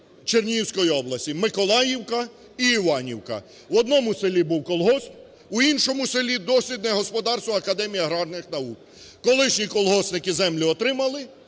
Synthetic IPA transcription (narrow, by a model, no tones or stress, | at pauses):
t͡ʃernʲiwsʲkɔjiɔblˠɐsʲtʲimɪkɔlˠɑjiwkɐ | iːʋɑnʲḭwkɐ̰ | wɔd̪nɔmʊselʲibuwkɔlˠɦɔs | ʊinʃɔmʊselʲid̪ɔsʲʋʲid̪nɛɦɔspɔd̪ɑrst̪ʋɐɐkɐd̪ɛmʲijɐɦɾɑrnɪxnɐuk̚ | kɔlˠɪʃnʲikɔlˠɦɔsnɪkɪzɛmlʲʊɔt̪ɾɪmɐlˠɪ